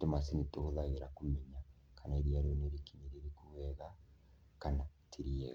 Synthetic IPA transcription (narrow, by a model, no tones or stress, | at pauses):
temasinitouðaɣiɾakumiɲa | kanaiɾiaɾoneɾikiɲeɾiɾikuwɛɣa | kanatʰiɾiɛ̰ɣa